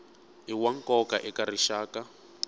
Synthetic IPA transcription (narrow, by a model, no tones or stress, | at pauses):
iwaŋkɔkaʔɛkariʃaːka